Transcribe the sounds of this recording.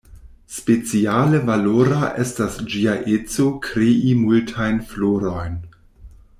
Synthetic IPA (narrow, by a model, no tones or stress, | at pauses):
spet͡sialəvaloɾaʔestasd͡ʒiaʔet͡so̞kʰɾeʔimultʰajnfloɾo̞jn